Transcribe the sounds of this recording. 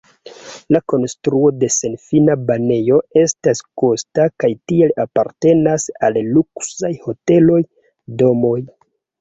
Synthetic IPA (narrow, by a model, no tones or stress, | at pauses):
lako̞nstɾuo̞de̞se̞nfinabane̞jo̞e̞stasko̞stakajtielapaɾte̞nasalːuksajho̞te̞lo̞j | do̞mo̞j